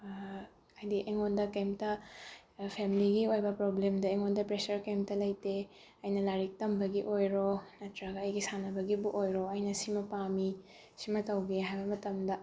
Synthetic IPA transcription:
ɐjdiʔeŋondɐkemtɐ | pʰemiliɡiojbɐpɾoblemdɐeŋondɐpɾesɐɾkemtɐlɐjte | ɐjnɐlaɾik̚tɐmbɐɡiʔojɾonɐtɾɐɡɐɐjɡisanɐbɐɡibuʔojɾoɐjnɐsimɐpami | simɐtɐwɡeɦajbɐmɐtɐmdɐ

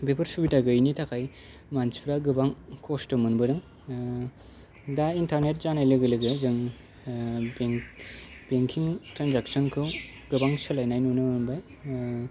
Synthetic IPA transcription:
bepʰɯɾsubitaɡɯjnitʰakʰaj | manspʰɾaɡɯbaŋkʰɔstɯmɯnbɯɾɯŋ | daintʰaɾnet̬̚zanajlɯɡɯlɯɡɯzɯŋ | bŋ | beŋkʰiŋtɾanzaksɔnkʰɯw | ɡɯbaŋsɯlajnajnunɯmɯnbaj

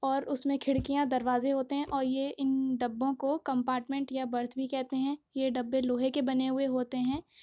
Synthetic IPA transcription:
ɔːɾʊsmẽkʰɪɽkijãd̪ɐɾʋaːzeɦoːt̪eɦɛ̃ʔɔːɾjeʔɪnɖɐbːõkokɐ̃mpaːɾʈmɛ̃ɳʈjabɐɾt̪ʰbʱikɛɦt̪eɦɛ̃ːjeɖɐbːeloːɦekebɐneɦʊeɦoːt̪eɦɛ̃ː

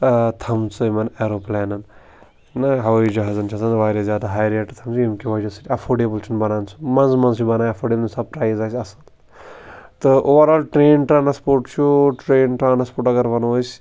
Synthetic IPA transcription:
t̪ʰɐmt͡sɨmɐneːɾoːplɛːnɐn | nɐɦɐʋid͡ʒɐɦazɐnt͡ʃʰɐsɐnʋaːɾezjaːd̪aɦaːjɾeʈt̪ʰɐmsuimkʲiʋɐːd͡ʒɐsɐʈʰʲɐfʰoːɖeːbəlt͡ʃʰunbɐnaːnt͡sʰu̥mɐnzmɐnzt͡ʃʰubɐnaːjɐfʰoːɖeːblsɐb̚pɾaːizaːsʲɐsɨl | t̪ɨʔoʋɐɾaːlʈɾeːnʈɾaːnspoːɾʈt͡ʃʰuʈɾeːnʈɾaːnspoːʈɐɡɐɾʋɐnoːs

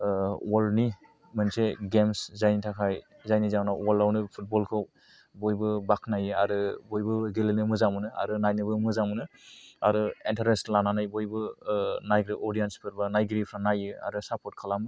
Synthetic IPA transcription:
wɔlni | mɯnseɡemszajnitʰakʰaj | zajnizawnawɔlawnɯpʰut̚bɔlkʰɯw | bɔjbɯbakʰnajɯa̰ɾɯbɔjbɯɡelenɯmɯzamɯnɯa̰ɾɯnajnɯbɯmɯzamɯnɯaɾɯentʰaɾestlananajbɔjbɯnajɡɾiʔɔɾijenspʰɯɾbanajɡɾipʰɾanajɯa̰ɾɯsapʰɔt̚kʰalam

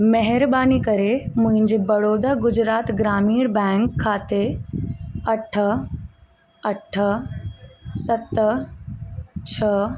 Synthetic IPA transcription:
mɛɦɪɾbaːnikɐɾemʊ̃ɦɪ̃ɲd͡ʑebɐɽoːd̪aːɡʊd͡ʑɾaːt̪ɡɾaːmiːɾbɛ̃ːŋkʰːaːt̪e | ɐʈʰə | ɐʈʰə | sɐt̪ə | t͡ɕʰə

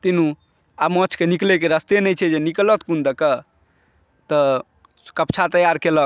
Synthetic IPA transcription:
t̪inũ | amɔt͡ʃʰkeniklekeɾəst̪enɛjt͡ʃʰɛd͡ʒeniklət̪kund̪əkə | t̪ə | kəpt͡ʃʰat̪əjaɾkelək

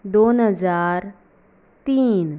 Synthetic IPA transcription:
d̪oːnɦəzaːɾ | t̪iːn

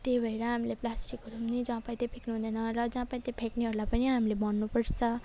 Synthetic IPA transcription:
t̪ebʱʌjɾʌɦamileplasʈikɦʌɾumnid͡zãpaj̃t̪epʰeknuɦũnd̪ʌnʌɾʌd͡zãpajt̪epʰekniɦʌɾulajpʌniɦamilebʌnːupʌɽt͡sʰʌ

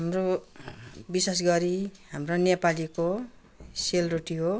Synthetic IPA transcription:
ɦamro | bisas̬ɡʌɾiɦamronepaliko | selruʈiɦo

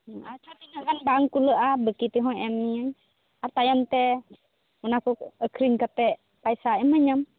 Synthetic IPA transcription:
at͡ʃʰat̪inakanbaŋkuləʔabəkit̪iɦɔ̃ɛmiɲaɲ | aɾt̪ajamt̪ɛ | munakuəkʰɾiɲkap̪ɛʔ | pajsaɛməɲam

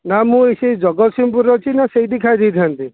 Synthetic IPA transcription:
namũesejd͡ʒɔɡɔt̪simpuɾɔt͡ʃʰinaseid̪ekʰajd̪it̪ʰiant̪i

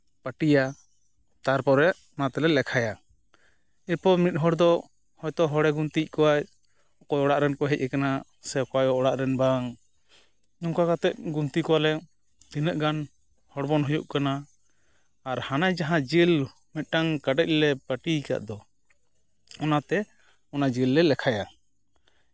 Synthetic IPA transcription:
paʈija | t̪aɾpɔɾɛʔ | ɔnat̪ɛlɛlɛkʰaja | iɾpɔmit̪̚ˀɦɔɽd̪ɔ | hɔjt̪ɔɦɔɽɛɡunt̪ic̚ˀkɔwaj | ɔkɔjɔɽaʔɾɛnkɔɦɛc̚ɛkana | sɛɔkɔajɔʔɔɽaʔɾɛnbaŋ | ɲɔŋkakat̪ɛʔ̚ɡunt̪ikɔwalɛ | t̪inəʔɡan | hɔɽbɔnɦɔjṵʔkanaː | ɾhanajd͡ʒaɦãd͡ʒil | mɛt̪̚ˀʈaŋkaɖɛc̚lɛpəʈika̰ʔd̪ɔ | ɔnat̪ɛ | ɔnad͡ʒilːɛlɛkʰaja

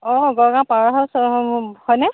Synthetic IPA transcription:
ɔɡɔɹɡãpaɹaɦɔshɔjnɛ

